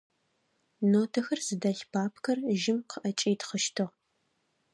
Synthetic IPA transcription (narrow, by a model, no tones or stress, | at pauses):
noːtʰɐxɐrzɨdɐɬbʰaːpʰkʰɐrʒɪmqʰəʔɐt͡ʃʼiːtχəʃtʰɨʁ